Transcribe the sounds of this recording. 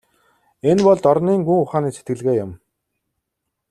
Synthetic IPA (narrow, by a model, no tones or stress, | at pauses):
enpɔɮt̪ɔɾniːŋɡuŋʊχaːniːset̪ɡɘ̆ɮɣeːjʊm